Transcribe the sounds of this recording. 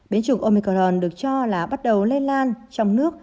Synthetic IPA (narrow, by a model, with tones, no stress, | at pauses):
ɓe˨˦nt͡ɕu˧˩ŋʔo˧mi˧kɔ˧lɔ˧˩nɗɨ˨˩ək̚t͡ɕɔ˧laː˨˩ɓa˦˥t̚ɗə˨˩wle˧nlaː˧nt͡ɕɔ˧wŋ͡mnɨ˦˥ək̚